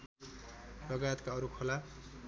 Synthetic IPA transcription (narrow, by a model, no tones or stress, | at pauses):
lʌɡajʌt̪kaʌɾukʰola